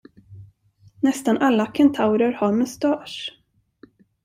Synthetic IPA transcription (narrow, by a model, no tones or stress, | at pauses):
nɛst̪anʔalːakʰɛnt̪ʰaʊɾəɾhaɾmɵst̪ɑːʂ